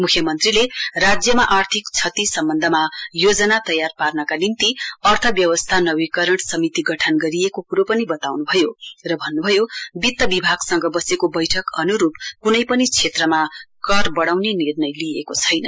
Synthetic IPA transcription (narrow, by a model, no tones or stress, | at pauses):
mukʰjʌmʌnt̪rilerad͡zjʌmaʔart̪ʰikt͡sʰʌt̪isʌmbʌnd̪ʱʌmajod͡zʌnat̪ʌjarparnʌkalint̪iʌrt̪ʰʌbjʌwʌst̪ʰanʌwikʌɾʌɽsʌmit̪iɡʌʈʰʌnɡʌɾiekokuɾopʌnibʌt̪awnubʱʌjorʌbʱʌnːubʱʌjobit̪ːʌbibʱaɡsʌŋɡʌbʌsekobʌjʈʰʌkʌnuɾupkunʌjpʌnit͡sʰet̪rʌmakʌrbʌɽawnenirnʌjliekot͡sʰʌjnʌ